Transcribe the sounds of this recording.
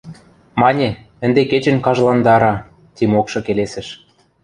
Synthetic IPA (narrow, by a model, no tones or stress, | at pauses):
mɑnʲe | ɘ̆nd̪eket͡ɕɘ̆nʲkɑʒlɑnd̪ɑɾɑ | t̪ʲimokʃɤ̆kelesɘ̆ʃ